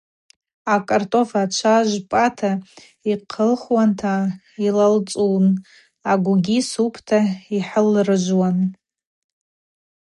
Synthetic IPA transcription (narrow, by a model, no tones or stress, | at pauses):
akʼartʼo̞fat͡ʃʷʰaʒʷpʼatʰa | iqʰəlχwantʰa | ilalt͡sʼun | aɡʷɡʲisupʰtʰaiħəlrɨʒʷwan